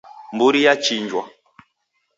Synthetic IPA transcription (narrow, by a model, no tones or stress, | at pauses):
mbuɾijat͡ʃiɲd͡ʒwa